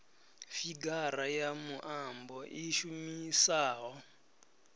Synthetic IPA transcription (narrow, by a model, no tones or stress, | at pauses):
fiɡaɾajamuʔambɔʔiʃumisaːɦɔ